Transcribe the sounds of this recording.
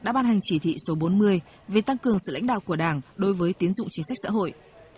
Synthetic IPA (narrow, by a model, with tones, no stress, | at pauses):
ɗa̰ː˧˥ɓaː˧nɦa˨˩jŋ̟t͡ɕi˧˩t̪ʰḭ˧˨so˨˦ɓo˨˦nmɨ˧əj | ve˨˩t̪a˧ŋkɨ˨˩əŋsɨ̰˧˨la̰˧˥jŋ̟ɗa̰ː˧˨wku˧˩əɗaː˧˩ŋɗo˨˦jvəː˨˦jt̪i˨˦ənzʊ̰˧˨ŋ͡mt͡ɕï˨˦ŋ̟sa˦˥k̚sa̰ː˧˥ɦo̰˧˨jʔ